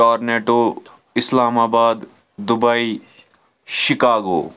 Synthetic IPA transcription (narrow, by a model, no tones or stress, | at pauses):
ɔːɾneːʈo | ɪslaːmaːbaːd̪ː | ʊbai | ʃɪkaːɡo̰ː